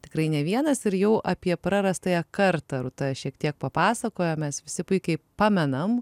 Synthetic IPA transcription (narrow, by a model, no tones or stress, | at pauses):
t̪ʲɪ̥kɾɐɪnʲɛʋʲiɛnɐsɪɾjɛʊʔɐpʲiɛpɾɐɾɐst̪ɐjɛkɐɾt̪ɐɾʊt̪ɐʃʲiɛkt̪ʲiɛk̚pɐpɑːsɐkoːjomʲɛsʋʲɪsʲɪpʊɪkʲɛɪpɑːmʲɛnɐm